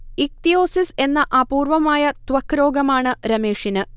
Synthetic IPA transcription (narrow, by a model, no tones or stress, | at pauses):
ik̚t̪ijo̞ːsise̞nːɐʔaːpuːrʋɐmaːjɐt̪ʋɐkːɾo̞ːɡɐmaːɳɨɾɐmeːʂinɨ